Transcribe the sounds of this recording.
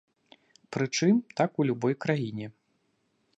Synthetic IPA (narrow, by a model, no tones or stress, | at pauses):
pɾɨt͡ʂɨmt̪akulʲubɔjkɾajinʲɛ